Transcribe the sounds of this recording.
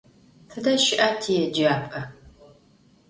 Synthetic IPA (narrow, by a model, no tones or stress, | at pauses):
θʰɨdɐʃɪʔatʰijɛd͡ʒaːpʼɐ